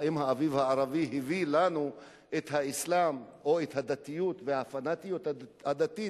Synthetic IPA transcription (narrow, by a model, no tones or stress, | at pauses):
imhaavivhaːʁaviɦivilanu | ʔet̪haislamo̞et̪had̪at̪ijut̪vehafanat̪ijut̪had̪at̪i